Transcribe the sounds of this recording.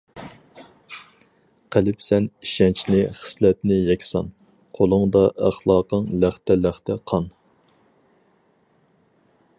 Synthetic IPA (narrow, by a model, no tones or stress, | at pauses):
qʰəlɪpsɛniʃɛnt͡ʃʰnɪχə̥slɛt̪nɪjɛkʲsɑn | qʰolˠʊŋd̪ɑʔæχlˠɑːqəŋlæχt̪ʰɛlæχt̪ʰɛqʰɑn